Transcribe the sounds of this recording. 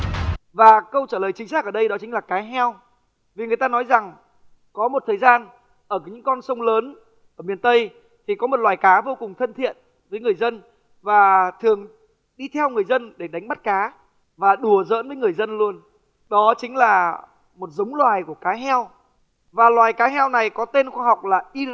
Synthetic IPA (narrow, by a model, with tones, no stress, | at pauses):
vaː˨˩kə˧wt͡ɕaː˧˩ləː˨˩jt͡ɕï˨˦ŋ̟saː˦˥k̚ʔəː˧˩ɗə˧jɗɔ˨˦t͡ɕï˨˦ŋ̟laː˨˩kaː˨˦jɦɛ˧w | vi˨˩ŋɨ˨˩əjt̪aː˧nɔ˨˦jza˨˩ŋ | kɔ˨˦mo˨˩t̚t̪ʰəː˨˩jzaː˧n | ʔəː˧˩˨ɲɨ̰˧˥ŋkɔ˧nsə˧wŋ͡mləː˨˦n | ʔəː˧˩mi˨˩ənt̪ə˧j | t̪ʰi˨˩kɔ˨˦mo˨˩t̚lwaː˨˩jkaː˨˦vo˧kʊ˨˩ŋ͡mt̪ʰə˧nt̪ʰḭ˧˨ən | vəː˨˦jŋɨ˨˩əjzə˧n | vaː˨˩t̪ʰɨ˨˩əŋ | ɗi˧t̪ʰɛ˧wŋɨ˨˩əjzə˧nɗe˧˩ɗa˨˦ŋ̟ɓa˦˥t̚kaː˨˦ | vaː˨˩ɗu˧˩əzə̰ː˧˥nvəː˨˦jŋɨ˨˩əjzə˧nlu˧ən | ɗɔ˨˦t͡ɕï˨˦ŋ̟laː˨˩ | mo˨˩t̚zə˨˦wŋ͡mlwaː˨˩jku˧˩əkaː˨˦ɦɛ˧w | vaː˨˩lwaː˨˩jkaː˨˦ɦɛ˧wna˨˩jkɔ˨˦t̪e˧nxwaː˧ɦa˨˩wk͡p̚laː˨˩ʔi˧